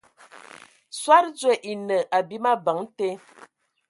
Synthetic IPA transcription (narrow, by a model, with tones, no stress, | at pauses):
swa˦ɾd͡zwe˨ʔi˨nə˨ʔa˨bi˦ma˦bə˨˦ŋ˦te˦